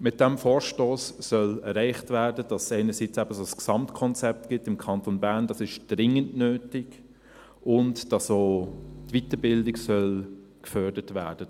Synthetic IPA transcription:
mɪt̚d̥ɛmfɔːɾʃtoːsːœlɛɾɛɪχtvæːɾdəd̥ɑsæɪnəɾsit͡sɛbəsosksɑmtkʰɔnt͡sɛp̚tɡ̥ɪtɪmkʰɑntonbæːʁnd̥ɑsɪʃd̥ʁɪŋəndnøːtɪk | ʊntd̥ɑsoːtvitəbɪldɪksœl | kfœdətvæːd̥ə

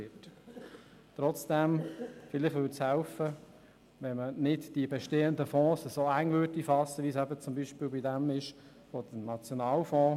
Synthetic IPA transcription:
ɪt | t̪ɾɔt͡sd̥ɛmfɪlɪχʋʏːtshɛlfə | ʋɛnmənɪtd̥iəbɛʃteːənd̪əfɔ̃ːsəsoːæŋvødifɑsəʋiəsɛbət͡sʊmbiːʃpiːlbidɛmɪʃ | fod̥ənɑt͡sjɔnɑːlfɔ̃ː

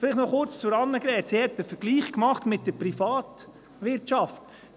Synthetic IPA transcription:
fɪlɪχtnɔχʊɾt͡st͡sʊɾɑnːəɡɾɛːtsiːhɛt̚d̥əfəɡ̥liːχkmɑχtmɪt̚d̥əɾprifɑːt | ʋɪɾtɑft

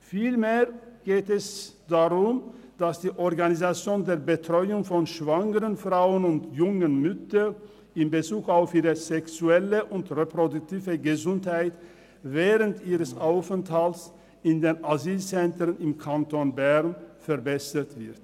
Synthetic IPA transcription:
fiːlmeːɐɡ̥eːtɛsd̥aʁʊmd̥asd̥iːʔɔʁɡanizat͡sjoːndeːɐbətʁ̥ɔʏʊŋfɔnʃv̥aŋəʁənfʁ̥aʊənʊntjʊŋənmʏtɐ | ɪmbət͡suːkaʊfiːʁəzɛksuɛləʔʊntʁepʁodʊk̚tiːvəɡəzʊnthaɪt | vɛːʁəntʔiːʁəsʔaʊfənthalts | ɪndeːnaziːlt͡sɛntənɪmkʰantonbɛʁnfɛɐbɛsətv̥ɪɐt

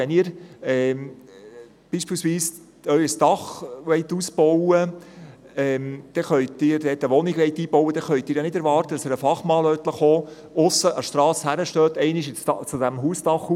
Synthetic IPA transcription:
ɛniːɾɛː | b̥iːʃpiːlsʋiːs | œʏəsd̥ɑχʋɛɪt̪uːsb̥ɔwə | ɛmd̪̥ɛχœɥtːɪːɾd̥̪ɛːt̪əʋɔnɪɡʋɛɪt̪iːb̥ɔwəd̥̪ɛχœɥt̪ɪːɾjɑnɪdɛɾʋɑːɾt̪əd̥ɑsəɾəfɑχmɑːlœːt̪ləχoː | ʊsːəʔɑʃtɾɑːshæɾəʃtøːt̪ɛɪnɪʃɪt͡sɑt͡sʊdæmɦuːsd̥ɑχu

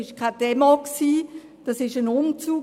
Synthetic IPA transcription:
ɪʃkʰad̥ɛmoksiː | d̥ɑsɪʃənʊmt͡suː

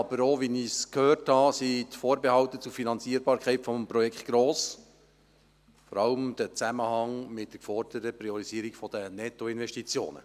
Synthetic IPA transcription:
ɑb̥əɾoʋiniskhøːrthɑsit̪foːɾbehɑwt̪ət͡sufinɑnt͡siəɾbɑːɾkχɛɪtfɔmpɾɔjɛkχtɡ̥ɾoːs | fɔɾɑləmd̪̥ət͡sæməhɑŋmɪt̚d̥əkfɔrd̥əɾəpɾiɔɾiziəɾikfɔd̥ənɛt̪ːɔɪnʋɛʃtit͡sjo̰ːnə̰

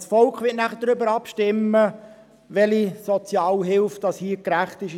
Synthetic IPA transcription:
sfɔlkχʋɪətnæχədɾʏbəɾɑpʃtɪmːə | ʋɛlisɔt͡sjɑːlɦɪlftd̥ɑshiːkɾæχt̪ɪʃ

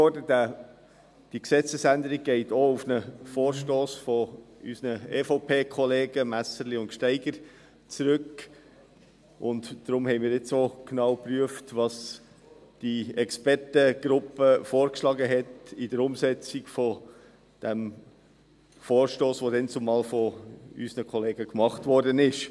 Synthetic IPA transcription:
ɔdədæ | d̥iksɛt͡səsænd̪əɾiɡ̚ɡ̥ɛɪtoufnəfoːɾʃtoːsfɔysnəeːfoʊpʰeːkʰɔleːɡ̥əmæsəɾliʊntʃtɛɪɡəɾ | t͡sɾʏk | ʔʊntdɾʊmhɛɪmiːɾɪt͡soknɑwpryəftʋɑs | d̥iɛkspɛɾtəɡ̥ɾʊpːəfoːɾkʃlɑːɡəɦɛtidəɾʊmsɛt͡siɡ̥fɔ | d̥ɛm | foːɾʃtoːsʋodɛnt͡sʊmɑːlfɔysnəkʰɔleːɡ̥əkmɑχtvɔɾdənɪʃ

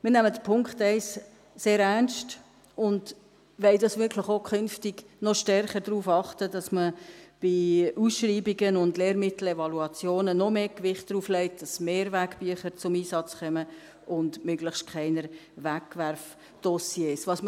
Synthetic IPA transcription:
mɪːnæmədəpʰʊŋkχtɛɪs | seːɾænst | ʊnd | ʋɛldɑsʋɪkʰləχokʰχʏnftiɡ̥ | nɔʃtɛrχəɾdɾuːfɑχtədɑsməb̥iusʃriːbiɡənʊndleːɾrmɪtl̩ɛvɑluɑt͡sjoːnənɔmeːkʋɪχt̚d̥ɾuːflɛɪt̚d̥ɑsmeːɾvækb̥yəχəɾt͡sʊmiːsɑt͡sχœmə | ʔʊndmøɡləχʃtkʰχɛɪnəɾʋækːʋæɾf | d̥ɔsjeːsʋɑsm

